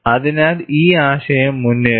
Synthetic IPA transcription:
ɐðinaːliːaːɕɐjɐmːunːe

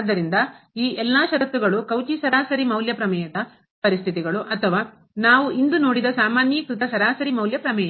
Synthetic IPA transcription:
ad̪ːɐɾind̪ɐiːʔɛlːaːʃɐɾɐt̪ːuɡɐɭukɐwt͡ʃisɐɾaːsɐɾimɐwljɐpɾɐmɛːjɐd̪ɐ | pɐɾist̪ʰit̪iɡɐɭuʔɐt̪ʰɐʋaː | naːʋuʔind̪uno̞ːɽid̪ɐsaːmaːnjɐkɾit̪ɐsɐɾaːsɐɾimɐwljɐpɾɐmɛːjɐ

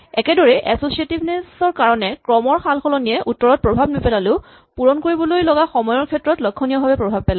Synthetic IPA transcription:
ɛkɛdɔɹɛʔɛsosietibʱnesɔɹkaɹɔnɛkɹɔmɔɹxʰalxɔlɔniɛʔutːɔɹɔt̚pɹobʱabnipɛlalʊ | puɹɔnkoɹibɔlojlɔɡaxɔmɔjɔɹkʰɛtɹɔtlɔkʰːɔnijɔbʱabɛpɹobʱab̚pɛla

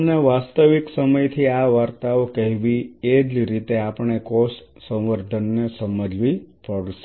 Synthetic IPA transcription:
neʋast̪əʋiksəməjt̪ʰiaʋaɾt̪aokəɦiʋied͡ʒɾit̪eapəɳ̃ekos | sə̃w̃ʋəɾd̪ʱənːesəməd͡ʒʋipəɽʃe

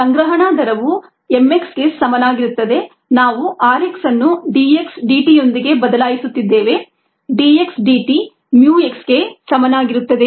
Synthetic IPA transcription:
sɐŋɡɾɐɦɐɳaːd̪ɐɾɐʋu | emːe̞ksɡe̞sɐmɐnaːɡiɾut̪ːɐd̪e̞ | naːʋuʔaːɾeksɐnːuɖiːeksɖiːʈijo̞nd̪iɡe̞bɐd̪ɐlaːjisut̪ːid̪ːeːʋe̞ | ɖiːe̞ksɖiːʈi | mjuːe̞ksɡe̞sɐmɐnaːɡiɾut̪ːɐd̪e

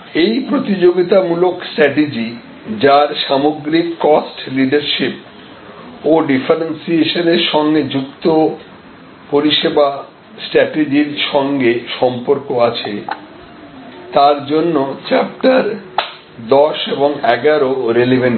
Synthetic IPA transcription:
ejpɾot̪id͡ʑoɡit̪amuloksʈɾɛʈed͡ʑi | d͡ʑaɾʃamoɡɾikːɔsʈliɖaɾʃip̚ | oɖifʰaɾensieʃoneɾʃɔŋɡed͡ʑukt̪o | poɾiʃeba | sʈɾɛʈed͡ʑiɾʃɔŋɡeʃɔmpoɾkoat͡ɕʰe | t̪aɾd͡ʑonːot͡ɕɛp̚ʈaɾ | d̪ɔʃeboŋɛɡaɾoɾelebʱeɳ

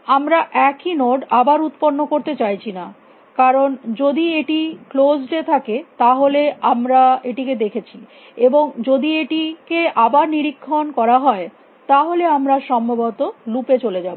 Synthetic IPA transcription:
amɾaʔɛkinoɖabaɾut̪ponːokoɾt̪et͡ɕajt͡ɕʰina | kaɾond͡ʑod̪ieʈiklosɖet̪ʰaket̪aɦoleamɾaeʈiked̪ekʰet͡ɕʰi | eboŋd͡ʑod̪ieʈikeʔabaɾniɾikʰːonkɔɾaɦɔe | t̪aɦoleamɾaʃɔmbʱobot̪olupet͡ɕoled͡ʑabo

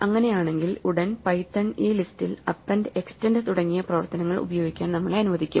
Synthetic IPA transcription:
ɐŋːɐne̞jaːɳe̞ŋɡiluɽɐnpɐjtːɐɳeːlistilɐpːenɖɨekstendt̪uɽɐŋːijɐprɐʋɐrt̪ɐnɐŋːɐɭṵbɐjo̞ːɡikʲːaːnnɐmːɐɭeɐnuʋɐðikʲːṵm

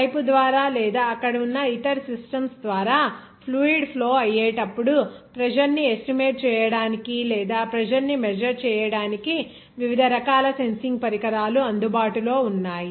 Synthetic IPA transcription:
pɐjpud̪ʋaːɾaːlɛːd̪aːɐkːɐɽɐunːɐiʈɐɾsisʈɐmsd̪ʋaːɾaː | pʰluːiɖpʰlo̞ːɐjːɛːʈɐpːuɽupɾɐd͡ʒɐɾniesʈimeːʈ̚t͡ʃɛːjɐɽaːnikilɛːd̪aːpɾɐd͡ʒɐɾnimɛd͡ʒɐɾt͡ʃɛːjɐɽaːniki | ʋiʋid̪ʱɐɾɐkaːlɐse̞nsiŋɡpɐɾikɐɾaːluɐnd̪ubaːʈulo̞ːunːaːji

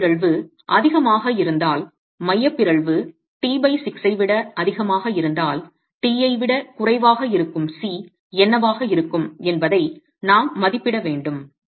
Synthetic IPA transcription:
ɾɐɭʋɯ | ʔɐðɪɣɐmaːɣɐɪɾɯnd̪aːl | mɐjːɐpːɪɾɐɭʋɯ | ʈiːbɐɪsɪksɐɪʋɪɽɐɐðɪɣɐmaːɣɐɪɾɯnd̪aːl | ʈiːɐɪʋɪɽɐkʊrɐɪʋaːɣɐɪɾɯkːɯmsiː | ɛnːɐʋaːɣɐɪɾɯkːɯmɛnbɐðɐɪ | naːmːɐðɪpːɪɽɐʋeːɳɖɯm

